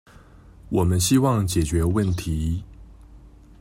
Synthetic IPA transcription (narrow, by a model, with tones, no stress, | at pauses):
wɔ˨˩mə˦nɕi˦wɑ˥˨ŋt͡ɕjɛ˨˩t͡ɕɥɛ˨˦wə˥˨nt̪ʰi˨˦